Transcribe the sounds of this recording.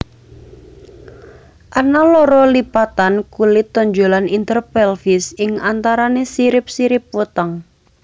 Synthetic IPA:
ʔanalɔɾɔlipat̪ankulɪt̪ːɔɲd͡ʒolanint̪ərpɛlfɪsɪŋant̪aɾanesiɾɪp̚siɾɪp̚wut̪aŋ

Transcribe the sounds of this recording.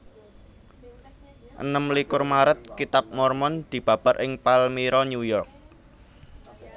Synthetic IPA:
ʔə̰nəmlikʊrmaɾət̪̚kit̪ap̚mɔrmɔnd̪̥i̤b̥ä̤b̥a̤ɾʔɪŋpalmiɾɔɲjujɔrk̚

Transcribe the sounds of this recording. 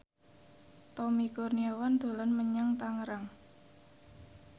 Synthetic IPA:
t̪ɔmikurniawand̪̥o̤lɔnməɲaŋt̪aŋɾaŋ

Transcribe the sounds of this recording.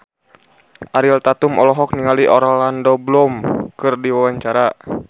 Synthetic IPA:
ʔaɾilt̪at̪umɔlɔɦɔk̚niŋaliʔɔɾalandɔblɔmkɨrdiwawaɲt͡ʃaɾa

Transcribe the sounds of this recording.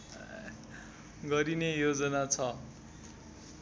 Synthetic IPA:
ɡʌɾinejod͡zʌnat͡sʰʌ

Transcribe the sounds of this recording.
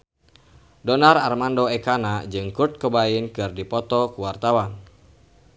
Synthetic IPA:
dɔnararmandɔekanad͡ʒɨŋkurt̪̚kəbainkɨrdipɔt̪ɔkuwart̪awan

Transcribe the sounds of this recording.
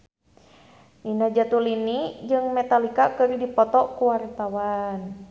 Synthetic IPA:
ninad͡ʒat̪ulinid͡ʒɨŋmɛt̪alikakɨɾidipɔt̪ɔkuwaɾt̪awan

